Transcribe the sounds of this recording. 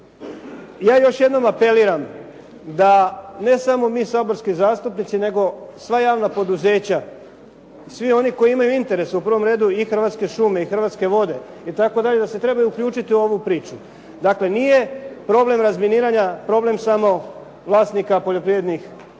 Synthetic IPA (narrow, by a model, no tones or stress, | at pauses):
jaːjo̞ʃje̞d̪no̞mape̞liːɾam | d̪ane̞samo̞miːsaːbo̞ɾskizaːst̪upnit̪sine̞ɡo̞sʋajaːʋnapo̞d̪uze̞ːt͡ɕa | sʋio̞niko̞iimajuint̪e̞ɾe̞supr̩ʋo̞mɾe̞ːd̪uixr̩ʋat̪ske̞ʃume̞ixr̩ʋat̪ske̞ʋo̞d̪e̞ | it̪ako̞d̪aʎe̞d̪ase̞t̪ɾe̞bajuukʎuːt͡ʃit̪iuo̞ʋupɾiːt͡ʃu | d̪akle̞niːje̞pɾo̞ble̞mɾazminiːɾaɲapɾo̞ble̞msamo̞ | ʋlˠaːst̪nikapo̞ʎo̞pɾiːʋe̞d̪nix